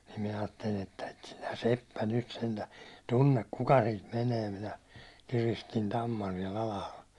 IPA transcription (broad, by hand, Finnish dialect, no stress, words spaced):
nim minæ ɑːtːelin etːæ et sinæ sepːæ nyt sentæː tunːek kuk siːt meneː minæ kiristin tɑmːɑn siɛl ɑlɑhɑl